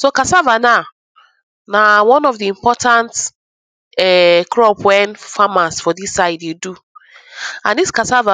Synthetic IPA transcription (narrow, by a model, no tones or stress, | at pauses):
sokasavana | nawɔ̃nɔfdiĩmpɔtãnt | ɛkɾɔpwɛnfamasfɔdisːaɪdedu | ãniskasava